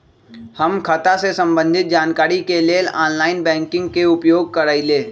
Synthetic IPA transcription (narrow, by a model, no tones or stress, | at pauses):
həmkʰət̪asesə̃mbə̃nd̪ʱɪt̪̚d͡ʒaːnkaːɾikeleːlaːnlaːɪnbɛ̃ːŋkɪ̃ŋɡkeʊpjoːɡ̚kəɾəileː